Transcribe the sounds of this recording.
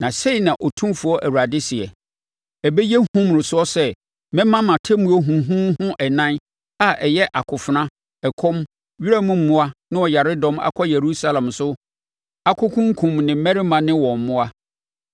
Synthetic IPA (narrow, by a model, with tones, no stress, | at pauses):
nã˨se˦i˨nã˨ʔɔ˨tʰũ˦mfu˨ɔ˦ʔæ˨wu˨ɾa˨dɪ˦sɪ˨ɛ˨ | ɛ˨bɛ˦jɛ˦hũ˦m˨ɾʊ˨sʊ˦ɔ˦sɛ˦ | mɛ̃˦mã˦mã˨tʰɛ˦mu˨˦ɔ˦ɦũ˨ɦũ˦ɦʊ̃˦ʔɛ˨nã˦n | a˦ʔɛ˨jɛ˦ʔa˨kʰʊ˨fʊ˨nã˦ | ɛ˨kʰɔ̃˦m | ɥi˦ɾɛ˦mʊ̃˦m̩˦mʊ̃˦a˦nɪ̃˦ɔ˨ja˨ɾɪ˦dɔ̃˦ma̰˨kʰɔ˦je˨ɾu˦sa˦lã˨msʊ˦ | a˦kʰʊ˦kʰʊ̃˦ŋ˦kʰũ˨mnɪ̃˨˦mɛ˦ɾɪ˦mã˨nɪ̃˦wɔ̃˨m˨mʊ̃˦a˦